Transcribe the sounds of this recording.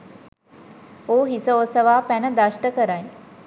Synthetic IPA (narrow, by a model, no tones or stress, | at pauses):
oːɦisəosəʋaːpænəd̪aʃʈəkəɾaj